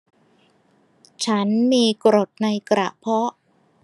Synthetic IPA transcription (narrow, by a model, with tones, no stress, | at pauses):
t͡ɕʰa˦˥nmiː˧kɾo˨˩t̪̚na˧jkɾa˨˩ʔpʰɔ˦˥ʔ